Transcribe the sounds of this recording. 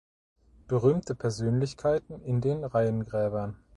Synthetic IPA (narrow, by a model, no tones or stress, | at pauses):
b̥əʁyːmtʰəpʰɛɐzøːnlɪçkʰaɪtn̩ɪndeːnʁaɪənɡʁɛːbɐn